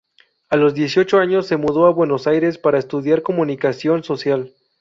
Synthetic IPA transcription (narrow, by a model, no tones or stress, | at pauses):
alo̞zðje̞sjo̞t͡ʃo̞aɲo̞sːe̞muðo̞aβwe̞no̞sajɾe̞spaɾaest̪uðjaɾko̞mũnikasjo̞nso̞sjal